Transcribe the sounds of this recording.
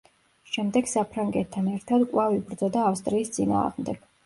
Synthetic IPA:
ʃɛmd̪ɛɡ̥sapʰɾaŋɡɛt̪ʰːanɛɾt̪ʰad̪kʼwavibɾd̪zɔd̪aːfst̪ʼɾiːst̪sʼina̰ːʁmd̪ɛɡ̥

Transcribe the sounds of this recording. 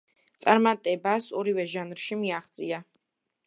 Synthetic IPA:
t̪sʼaɾmat̪ʼɛbasɔɾivɛʒanɾʃimiaχt̪sʼia

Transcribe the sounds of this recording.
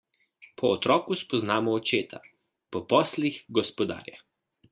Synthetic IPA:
pʰɔːt̪ɾɔːkuspɔznaːmɔːt͡ʃeːt̪ʰa | pɔpɔːslixɡɔspɔd̪a̰ːɾja

